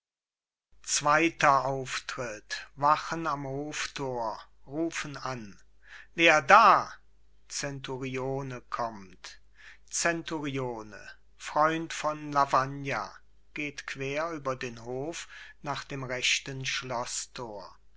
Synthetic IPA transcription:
t͡sv̥aɪtɐʔaʊftʁ̥ɪtvaχənamhoːftʰoːɐʁuːfənan | veːɐdaː | t͡sɛntuʁioːnəkʰɔmt | t͡sɛntuʁioːnə̰ | fʁ̥ɔʏntfɔnlavanja̰ | ɡ̥eːtkv̥eːɐyːbɐdeːnɦoːfnaːχd̥eːmʁɛʃtənʃlɔstʰoːɐ

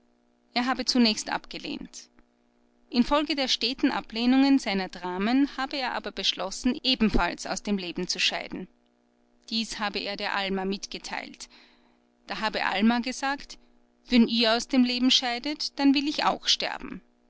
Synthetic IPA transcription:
ʔeːɐɦaːbət͡sunɛːçstʔa̰pɡ̥əlḛːnt | ʔɪnfɔlɡədeːɐʃteːtn̩ʔa̰pleːnʊŋənzaɪnɐdʁaːmənhaːbəeːɐʔa̰ːbɐbəʃlɔsn̩ʔeːbm̩falsa̰ʊsd̥eːmleːbm̩t͡suʃa̰ɪdn̩ | d̥iːshaːbəʔeːɐdeːɐʔalmamɪtɡ̥ətʰa̰ɪlt | d̥aːɦaːbəʔa̰lmaɡəzaːkt | vɛniːɐaʊsd̥eːmleːbm̩ʃaɪdətd̥anvɪlɪça̰ʊxʃtɛ̰ɐb̥m̩

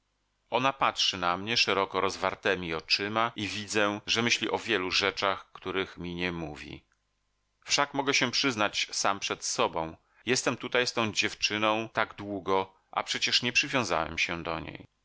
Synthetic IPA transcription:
ɔnapatʂɘnamɲɛʂɛɾɔkɔɾɔzvaɾt̪ɛmʲiɔt͡ʂɘmaʔivʲid̪zɛʐɛmɘɕlʲiʔɔvʲjɛluʐɛt͡ʂaxkt̪uɾɘxmʲiɲɛmuvʲḭ | fʂakmɔɡɛɕɛpʂɘznat͡ɕsampʂɛt̪sɔbɔ̃w̃ | jɛst̪ɛmt̪ut̪ajst̪ɔ̃w̃d͡ʑɛft͡ʂɘnɔ̃w̃t̪aɡd̪wuɡɔ | ʔa̰pʂɛt͡ɕɛʂɲɛpʂɘvʲjɔ̃w̃za̰wɛ̰mɕɛd̪ɔ̰ɲḛj

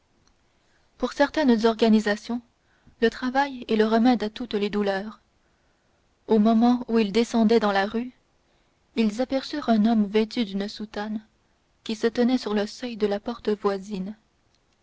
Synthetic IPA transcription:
puʁsɛʁt̪ɛnzɔʁɡanizasjɔ̃ | lət̪χavajɛləʁəmɛd̪at̪ut̪led̪ulœːʁ | omɔmɑ̃uild̪esɑ̃d̪ɛd̪ɑ̃laʁy | ilzapɛʁsyʁɛ̃nɔmvet̪yd̪ynsut̪an | kʲisət̪ənɛsyʁləsœjd̪əlapɔʁt̪əvwazin

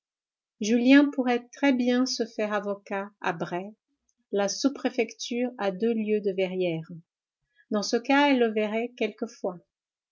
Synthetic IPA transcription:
ʒyljɛ̃puʁɛt̪χɛbjɛ̃səfɛʁavɔkaa̰bʁɛ | lasupχefɛkt̪yːʁad̪øljød̪əvɛʁjɛːʁ | d̪ɑ̃səkaɛlːəvɛʁɛkʲɛlkəfwa

